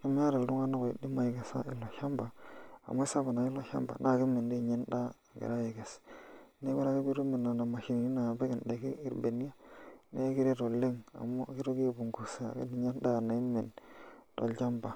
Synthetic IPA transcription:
ki˦mi˦ja˦ɾa˨ldu˦ŋa˦na˦ko˨ḭ˨di˦ma˨je˨ɡe˨sa̰˦ʔi˨lːo˨ʃa˦mba˨a̰˨mo˦sa˦ba˨na˨i˦lːo˦ʃa̰˦mba̰˨nʔa˦˨ki˦mːe˨ndi˦˨ɲe˦nda˦˨ɡḛ˨ɾa˦je˨ɡe˨sne˦ka˦ɾa˦ki˦bi˦ɾu˦me˨nːa˨na˨ma˨ʃi˨ni˨i˦na˨be˦ki˨nda˨ki˦i˨ɾbe˨ni˦a˦ne˦ki˦ɾe˦ɾo˨lːe˦ŋa̰˨mo˦ki˦ɾo˦ɡi˦˨bu˨ŋɡu˨sa̰˨˦˨kḛ˦di˨ɲa˦nda˦˨na˨i˦mːe˨nto̰˨ld͡ʒa˦mba˨

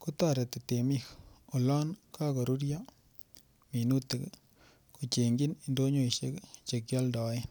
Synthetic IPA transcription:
ku˦ta˦˨ɾɛ˨te˨te˨mi˦ko˨lɔ˦nkʰa˦kɔ˨ɾu˦ɾja˦ | mi˨nu˦te˨k | ku˨t͡ʃe˨ŋɡi˦ni˨ndo˦ɲo˦i˨ʃe˦kt͡ʃe˨kjɔ˦ldɔ˨˦ɪ˦n

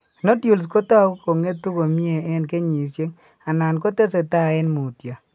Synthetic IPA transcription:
no˦tju˨ls̬ko˦ta˦ko˨ŋe˦tːu˦ko˨mi˦e˨ɛ˦nke˦ɲi˨sje˦ŋ | a˨na˨nko˦te˦s̬e˨ta˦˨ɪ˦nmu˨tja˨

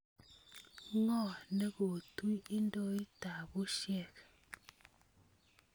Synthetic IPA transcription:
ŋɔ˦˨ne˦ɡo˨tu˦ji˦ndɔ˦i˦ta˨bu˦ʃjɛ˦˨k

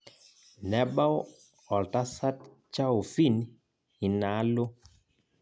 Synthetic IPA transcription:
nɛ˨ɓa˦w | ɔ˨lta˦sa˦t | t͡ʃa˦wfi˦˨n | hi˨na˨˦lo˦

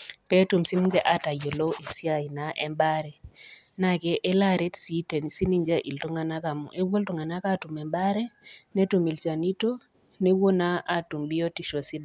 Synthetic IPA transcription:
pɛ˦tu˨msi˦ni˦ɲd͡ʒe˦ʔa˦ta˨jo˨lo˦e˨si˦a˦˨i˨na˨ʔɛ˦mba˦ɾɛ˨ | na˦˨kɛ˦ʔe˦la˦ɾe˦tsi˦te˨n˨si˦ni˦ɲd͡ʒa˦ʔi˨ltu˦ŋa˨na˦ka˨mɔ̰˨ʔe˦wo˦ltu˨ŋa˨na˦ka˦tu˨mɛ˨mba˦ɾɛ˦ne˦tu˨mi˨lt͡ʃa˨ni˦to˦ | ne˦wo˦na˦ʔa˦tu˨mbi˦jo˦ti˨ʃo˨si˦d

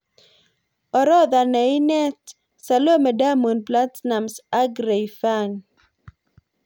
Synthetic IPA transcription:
ɔ˨ɾɔ˦ða˨nɛ˨jnɛ˦t̪ | salo˦mɛ˨da˦mu˨npla˦t̪sna˨msa˦ɡɾe˨jfa˦ŋ

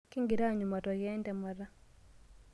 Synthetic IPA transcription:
ki˦ŋɡiɾa˦ɲu˨ma˨tɔɣɛ˦nda˨maɾa˦

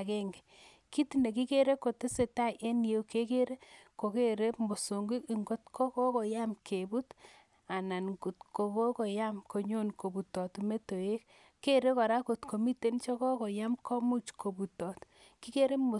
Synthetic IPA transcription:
kɛ˦ŋɡe˨ | ki˦ti˦ne˨ki˦ke˦ɾe˦ko˨te˦se˨ta˦˨jʔe˦nje˦ke˦ke˦ɾe˦ko˨ke˦ɾe˦mo˨so˨ŋɡi˦ki˨ŋɡo˦tkɔ˦kɔ˦kɔ˨ja˦mkʰe˨bu˦t | a˨na˨nɡu˨tko˨ko˦kɔ˨ja˦mko˨ɲo˦˨nko˨bu˨tɔ˨tu˨me˦to˨je˦k | kːe˦ɾe˦kɔ˨ɾa˦ko˨tko˨mi˦te˦nt͡ʃɔ˦kɔ˦kɔ˨ja˦mkʰɔ˦mu˦t͡ʃkʰo˨bu˨tɔ˨t | ki˦ke˦ɾe˦mo˨

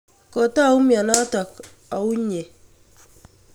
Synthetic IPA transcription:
kɔ˨ta˦˨u˦mja˨na˦tɔ˨k | a˨u˦ɲe˨

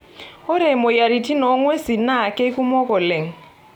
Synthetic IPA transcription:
ʊ˦ɾɛ˨mɔ˨ja˨ɾi˨tʰʼi˦nɔ˨˦ŋwe˦si˨na˦˨kʼɛ˦kʼu˦mɔ˦kʼɔ˨le˨ŋ̩˨

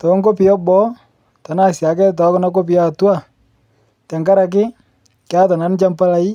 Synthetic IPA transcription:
tɔ˨˦ŋɡo˦pɪ˨jɔ˦bɔ˦ | ta˨na˦˨sja˨k̬ɛ˦t̬ɔ˨˦kɔ˦na˦k̬o˦p̬ɪ˦ja˦˨tu˦a˦˨ | ta˨ŋɡa˦ɾa˨k̬ɪ˦ | kja˦ta˨na˨˦nt͡ʃa˦mpa˦la˦i˦

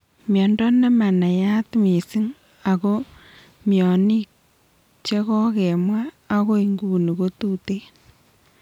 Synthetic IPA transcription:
mjɔ˨ndɔ˦nɛ˦ma˨na˨ja˦tmi˨si˦ŋ | a˨ko˦ | mjɔ˨ni˦k | t͡ʃe˦kɔ˦kɛ˨mwaː˦ | ko˦i˨ŋɡu˦ni˨ko˦tu˦te˦

